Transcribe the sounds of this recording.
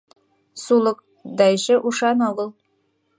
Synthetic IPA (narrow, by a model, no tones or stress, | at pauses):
sulˠɤk | d̪ɑjʃɘʔuʃɑnɑwɤlˠ